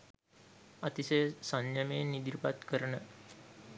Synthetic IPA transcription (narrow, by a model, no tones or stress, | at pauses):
at̪isesanjameːnid̪iɾipat̪kəɾənə